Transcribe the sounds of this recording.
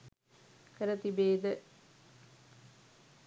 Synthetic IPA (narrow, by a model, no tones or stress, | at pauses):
kəɾət̪ibeːd̪ə